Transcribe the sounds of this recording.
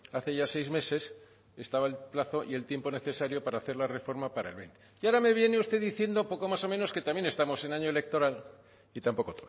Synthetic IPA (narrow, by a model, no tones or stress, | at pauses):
aθe̞ʝase̞jzme̞se̞s | e̞st̪aβaelplaθo̞ʔie̞lt̪je̞mpo̞ne̞θe̞saɾjo̞paɾaːθe̞ɾlare̞fo̞ɾmapaɾaelβent̪eiaɾame̞β̞je̞ne̞ust̪e̞ðiθje̞nd̪opo̞ko̞maso̞meno̞ske̞t̪amje̞ne̞st̪amo̞se̞naɲoele̞k̚t̪o̞ɾal | it̪ampo̞ko̞t̪oβ